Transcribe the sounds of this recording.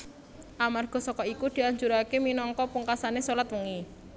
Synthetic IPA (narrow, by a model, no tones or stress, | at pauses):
ʔamarɡ̥ɔ̤sɔkɔikud̪̥i̤aɲd͡ʒuɾakeminɔŋkɔpuŋkasanesolat̪wəŋi